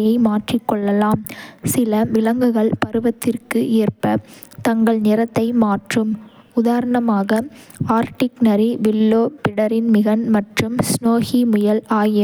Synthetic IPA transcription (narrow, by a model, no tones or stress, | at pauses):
jɐɪmaːʈrɪkːɔɭːɐlaːmsɪlɐʋɪlɐŋɡɯɣɐɭpɐɾɯʋɐt̪ːɪrkɯʔeːrpɐt̪ɐŋɡɐɭnɪɾɐt̪ːɐɪmaːʈrɯm | ʊðaːɾɐɳɐmaːɣɐ | aːɾʈɪknɐɾiʋɪlːoːpɪɽɐɾɪnmɪɣɐnmɐʈrɯmsnoːɣimʊjɐlaːjɪ